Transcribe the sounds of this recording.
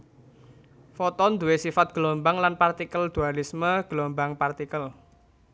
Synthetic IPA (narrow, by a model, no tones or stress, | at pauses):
fɔt̪ɔnd̪uwesifat̪̚ɡ̥əlɔmbaŋlanpart̪ikəld̪̥ualisməɡ̥əlɔmbaŋpart̪ikəl